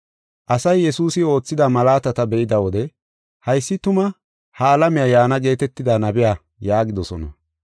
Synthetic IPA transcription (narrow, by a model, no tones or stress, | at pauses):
ʔɐsɐjːɛsuːsɪo̞ːt͡sːɪd̪ɐmɐlaːt̪ɐt̪ɐbɛʔɪd̪ɐwɔd̪ɛ | hɐjsːɪt̪ʊmɐ | hɐːlɐmɪjajaːnɐɡe̞ːt̪ɛt̪ːɪd̪anɐbɪja | jaːɡɪd̪ɔsɔnɐ̰